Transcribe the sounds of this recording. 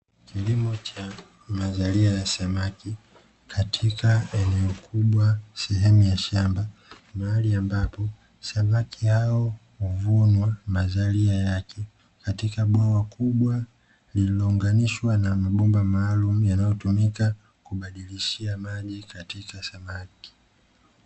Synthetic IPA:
kilimɔt͡ʃa | mazaliajasamaki | kʰatʰikaɛnɛɔkʰuɓwasɛɦɛmujaʃamba | maaliambapɔ | samakihaɔhuvunwamazaliajakʰɛ | katikaɓwawakuɓwa | lilɔuŋɡaniʃwanamaɓumbamaːlumujanajɔtumika | kuɓaɗiliʃiamaʄikatikasamaki̥

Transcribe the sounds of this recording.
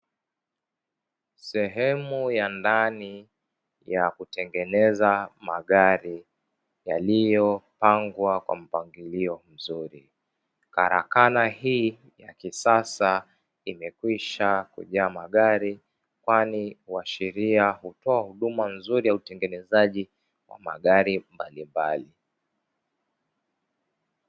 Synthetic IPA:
sɛɦɛmujandani | jakutɛŋɡɛnɛzamaɠaɾi | jalijɔpaŋɡwakwa̰m̩paŋɡiliɔm̩zuɾi | ka̰ɾa̰kanahiː | jakisasa | imɛkwiʃakṵʄaːmaɠaɾi | kwaniwaʃɛɾiahutɔahuɗumanzuɾijautɛŋɡɛnɛzaʄi | wa̰ma̰ɠaɾimbalimbali

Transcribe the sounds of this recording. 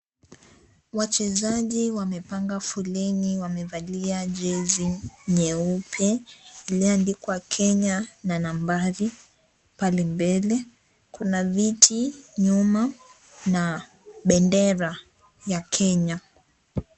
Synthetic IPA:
wat͡ʃɛzaʄiwamɛpaŋɡafulɛniwamɛvaliaʄɛziɲɛupʰɛiliandikwakʰɛɲananambaɾi | palimbɛlɛ | kunavitʰiɲuma | na | ɓɛndɛɾa | jakʰɛɲa

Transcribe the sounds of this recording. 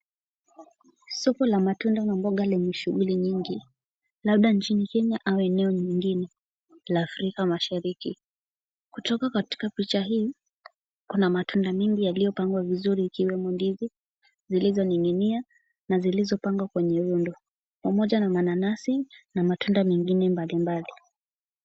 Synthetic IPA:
sɔkɔlamatundanambɔɠalimiʃuɣuliɲiŋɡi | laɓ̚ɗant͡ʃinikɛɲaʔawɛnɛɔɲiŋɡinɛ | laːfɾikamaʃaɾiki | kutɔkakati̥kapit͡ʃaɦiː | kunamatʰundamɛŋɡijalijɔpaŋɡwavizuɾiːkiwɛmundivi | zilizɔniŋinia | nazilizɔpaŋɡwakwɛɲɛɾundɔ | pamɔʄanamananasinamatundamɛŋɡinɛmbalimbali

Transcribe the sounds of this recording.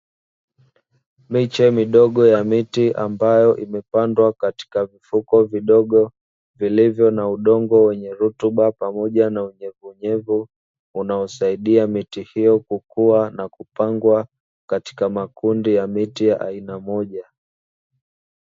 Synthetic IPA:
mit͡ʃɛmiɗɔɠɔjamitiʔa̰mbajɔʔimɛpandwakati̥kavifukɔviɗɔɠɔ | vilivjɔnauɗɔŋɡɔwɛɲɛɾutuɓapamɔʄanauɲɛvuɲɛvu | unaɔsaiɗiamitihijɔkukuanakupaŋɡwa | kati̥kamakundijamitijaʔa̰inamɔʄa

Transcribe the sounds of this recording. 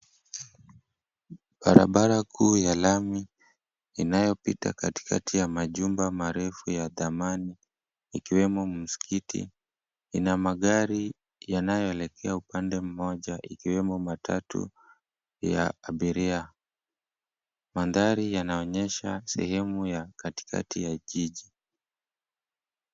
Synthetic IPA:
ɓaɾa̰ɓaɾakʰuːjalamiː | najɔpita̰kati̥kʰa̰tʰijamaʄumbamaɾɛfujaðamaniː | kiwɛmɔm̩si̥kʰitʰḭ | inamaɠaɾi | janajɔɛlɛkʰɛaupandɛm̩mɔʄaʔikiwɛmɔmatʰa̰tṵ | ja̰ːɓiɾia | manðaɾijanaɔɲɛʃasɛ̰hɛmujakati̥kʰa̰tʰijaʄiʄi

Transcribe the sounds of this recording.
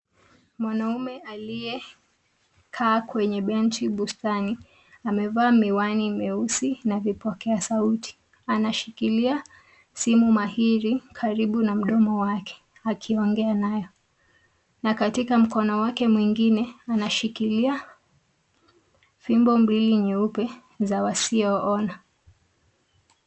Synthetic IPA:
mwanaumɛalijɛ | kʰaːkwɛɲɛɓɛntiɓustani | amɛvaːmiwanimɛusinavipɔkɛasautʰi̥ | anaʃikilia | simumahiɾikʰaɾiɓunam̩ɗɔmɔwakʰɛ̥ | akʰiɔŋɡɛanajɔ | nakatikam̩kɔnɔwakɛmwiŋɡinɛanaʃikilia | fimbɔmɾiliɲɛupɛ | zawasiɔɔna

